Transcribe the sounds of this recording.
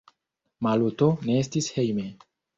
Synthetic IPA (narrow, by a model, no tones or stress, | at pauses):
maluto̞ne̞estishe̞jme̞